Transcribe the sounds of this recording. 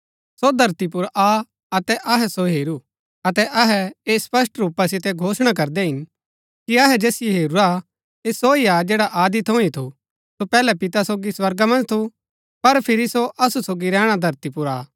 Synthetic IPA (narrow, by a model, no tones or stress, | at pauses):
sod̪ʱɐɾt̪ip̬ʊɾʔa | ɐt̪ɛʔɐɦɛsoɦeːɾu | ɐt̪ɛʔɐɦɛeːspɐs̬ʈɾuːpasɪt̪ɛɡʱoːsɽ̃ak̬ɐɾd̪ɛɦɪn | kiɐɦɛd͡ʒeːsɪjeɦeːɾuɾa | eːsoiad͡ʒeːɽaʔaːd̪it̪ʰõĩt̪ʰu | sopɛːlɛpɪt̪asoːɡiswɐɾɡamɐ̃nd͡ʒt̪ʰu | pɐɾpʰɪɾisoʔɐsusoːɡiɾɛ̃ːɽ̃ad̪ʱɐɾt̪ipʊɾaː